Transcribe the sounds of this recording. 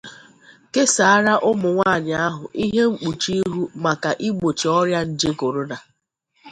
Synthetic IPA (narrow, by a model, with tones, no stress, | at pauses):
ke˦sa˨a˦ɾa˦ʔʊ˦mʊ˨ŋʷaː˦˨ɲɪ˨a˦ɦʊ˨ʔi˦ɦe˦ŋ͡m̩˦k͡pu˨t͡ʃi˦i˦ɦu˦ma˨ka˨ʔi˦ɡ͡bo˨t͡ʃi˨ɔ˦ɾja˦n̩˨d͡ʒe˦ko˨ɾʊ˦na˨